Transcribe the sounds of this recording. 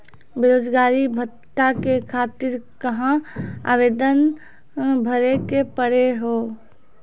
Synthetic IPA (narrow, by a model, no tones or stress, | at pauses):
beɾoːd͡ʒɡaːɾibʱə | ʈakekʰaːt̪ɪɾkəɦãa̰ːʋeːd̪ən | bʱəɾekepəɽeɦoː